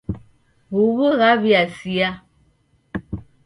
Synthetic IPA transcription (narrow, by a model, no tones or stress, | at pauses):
ɣuβəɣaβiasia